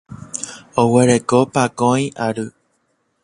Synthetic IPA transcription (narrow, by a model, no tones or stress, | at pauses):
oweɾekopakõj̃ʔaɾɨ